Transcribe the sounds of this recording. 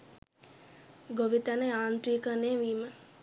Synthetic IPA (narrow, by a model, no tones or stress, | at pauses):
ɡoʋit̪anəaːnt̪ɾiːkəneʋiːmə